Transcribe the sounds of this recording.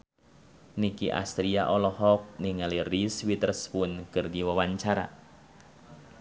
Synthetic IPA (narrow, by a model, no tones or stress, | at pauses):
nikiʔa̰st̪ɾiaʔɔlɔɦɔk̚niŋaliriswit̪ərspʊnkɨrdiwawaɲt͡ʃaɾa̰